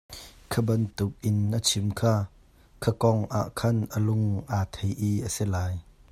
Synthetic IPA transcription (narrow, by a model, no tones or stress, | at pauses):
kʰəbɐnt̪uk̚ʔɪnʔət͡sʰimkʰaː | kʰəkɔŋʔa̰ʔkʰɐnʔəlʊŋʔat̪ʰejʔiʔəsilaːj